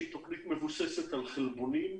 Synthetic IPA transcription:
it̪oχnit̪me̞vuseset̪alχelbonim

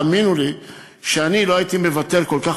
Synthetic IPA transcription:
minuli | ʃeaniloait̪ime̞vat̪e̞ʁko̞lka

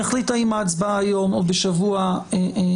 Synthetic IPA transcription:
aχlitaimaːt͡sbaːjo̞mobeʃavuae

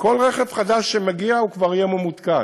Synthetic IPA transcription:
ko̞lʁeχevχad̪aʃːemeɡiaukvaʁjememut̪ka

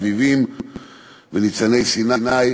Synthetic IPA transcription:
vivim | venit͡sanejsinanaj

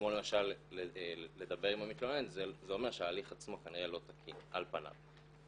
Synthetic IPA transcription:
kmo̞le̞maʃalele̞d̪abe̞ʁimamit̪lonenzzeo̞me̞ʁʃehaːliχat͡smo̞kaniʁelo̞t̪akʰinʔa̰lpana̰v

